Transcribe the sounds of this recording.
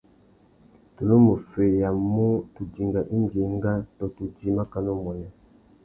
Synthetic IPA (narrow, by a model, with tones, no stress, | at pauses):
to˨lo˦mo˨fe˨ja˨mu˦tu˨di˨ŋɡa˨ʔi˦nd͡ʒe˨ŋɡa˦tɔ˨tu˨d͡ʒi˨ma˦ka˨no˦mɔ˨nɛ˨